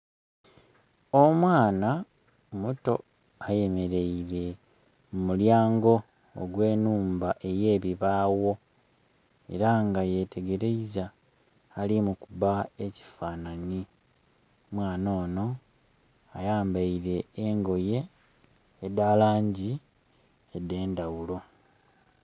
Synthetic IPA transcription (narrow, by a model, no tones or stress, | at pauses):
o̞mwaːna | muto̞̰ | aje̞me̞ɾe̞iɾe̞ | mumuljaːŋɡo̞̰ː | ɡwe̞ːnuːmbaʔe̞je̞ːβiβaːwo̞ | e̞ɾaŋɡaje̞tʰe̞ɡe̞ɾe̞izaː | limukuβae̞ci̥fanani | mwaːno̞ːno̞ | ajaːmbaiɾe̞ːŋɡo̞je̞ː | daːlaːɲɟi | edːe̞ːndawulo̞